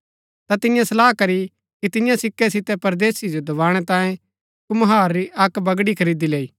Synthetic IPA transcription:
t̪at̪ɪjãsɐlaːɦkɐɾi | kit̪ɪjãsɪkːɛsɪt̪ɛpɐɾd̪eːsid͡ʒod̪ɐʋaːɽ̃ɛt̪ãːjẽ | kumɐɦaːɾːiʔɐkbɐɡɽikʰɐɾiːd̪ileːiː

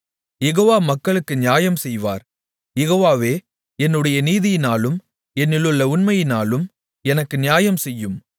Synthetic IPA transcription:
jɛɣoːʋaːmɐkːɐɭɯkːɯnɪjaːjɐmsɛjʋa̰ːɾ | jɛɣoːʋaːʋeː | ɛnːɯɽɐjɐniːðɪjɪnaːlɯm | ɛnːɪlɯɭːɐʊnmɐjɪnaːlɯm | ɛnɐkːɯnɪjaːjɐmsɛjːɯm

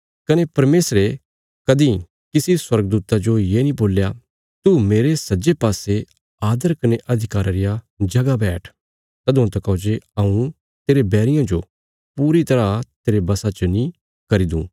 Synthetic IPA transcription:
kɐnepɐɾmeːsɾe | kɐd̪ĩ | kɪsiswɐɾɡ̚d̪uːt̪ad͡ʒojeːnĩboːlja | t̪umeːɾesɐd͡ʒepaːse | aːd̪əɾkɐneʔɐd̪ʱɪkaːɾaɾɪja | d͡ʒɐɡabɛːʈʰ | t̪ɐd̪ʊ̃ãt̪ɐkɐd͡ʒeɐũ | t̪eːɾebɛːɾɪjãd͡ʒo | puːɾit̪ɐɾat̪eːɾebɐsat͡ʃənĩ | kɐɾid̪ṵ̃ː

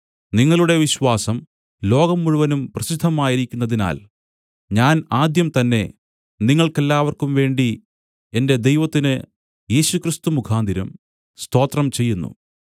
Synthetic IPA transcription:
niŋːɐɭuɽe̞ʋiɕwaːsɐm | lo̞ːɡɐmːuɻuʋɐnumprɐɕid̪ʱːɐmaːjiɾikʲːunːɐðina̰ːl | ɲaːnaːd̪jɐmt̪ɐnːe̞̰ | niŋːɐɭke̞lːaːʋɐrkumʋe̞ːɳɖi | e̞nde̞d̪e̞jʋɐt̪ːinɨ | je̞ːɕukrist̪umukʰaːnd̪ʱiɾɐm | st̪o̞ːt̪rɐmt͡ɕe̞jːunːṵ

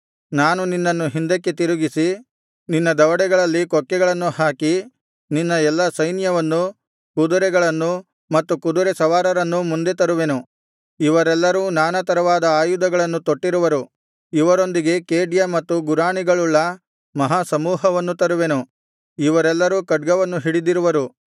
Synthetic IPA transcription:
naːnuninːɐnːuɦind̪ɐkːet̪iɾuɡisi | ninːɐd̪ɐʋɐɽɛɡɐɭɐlːikɔkːɛɡɐɭɐnːuhaːki | ninːɐɛlːɐsɐjnjɐʋɐnːu | kud̪uɾɛɡɐɭɐnːu | mɐt̪ːukud̪uɾɛsɐʋaːɾɐɾɐnːumund̪e̞t̪ɐɾuʋe̞nu | iʋɐɾɛlːɐɾuːnaːnɐt̪ɐɾɐʋaːd̪ɐaːjud̪ɐɡɐɭɐnːut̪oʈːiɾuʋɐɾu | iʋɐɾo̞nd̪iɡe̞keːɖjɐmɐt̪ːuɡuɾaːɳiɡɐɭulːɐ | mɐɦaːsɐmuːɦɐʋɐnːut̪ɐɾuʋe̞nu | iʋɐɾɛlːɐɾuːkɐɖ̚ɡɐʋɐnːuɦiɽid̪iɾuʋɐɾu

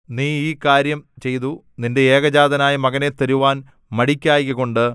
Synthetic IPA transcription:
niːiːkaːɾjɐmt͡ɕe̞jt̪u | ninde̞eːɡɐd͡ʑaːd̪ɐnaːjimɐɣɐne̞t̪ɐɾuʋaːn | mɐɽikʲːaːjkːɐɣo̞ɳɖɨ

